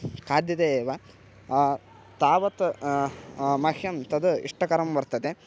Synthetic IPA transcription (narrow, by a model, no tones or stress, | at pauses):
kaːd̪jɐt̪eeːʋa | t̪aːʋɐt̪ | mɐhʰjɐmt̪ɐd̪uḭʂʈɐkɐɾɐmbɐɾt̪ɐd̪e